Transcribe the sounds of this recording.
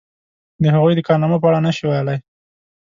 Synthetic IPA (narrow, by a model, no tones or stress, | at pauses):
d̪əɦaɣujd̪əkɑɾnɑməpəaɽanaʃiwajlaj